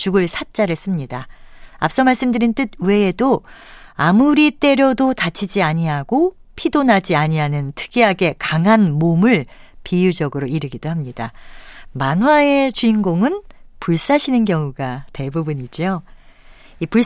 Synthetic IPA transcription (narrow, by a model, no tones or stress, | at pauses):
t͡ɕuɡɯɭsʰat̚t͡ɕ͈aɾɯɭs͈ɯmɲidaa̰p̚s͈ʌmaɭs͈ɯmdɯɾint͈ɯd̚we̞ːdo | amuɾit͈e̞ɾjʌdotat͡ɕʰid͡ʑiaɲiaɡo | pʰidonɦad͡ʑiaɲiɦanɯntʰɯ̥ɡʰiɦaɡe̞kaŋɦanmomɯɭpijud͡ʑʌɡɯɾoiɾɯɡidoɦamɲidamanɦwae̞t͡ɕuinɡoŋɯnpuɭs͈aɕʰinɯnkjʌŋuɡate̞bubuɲid͡ʑo | ipuɭ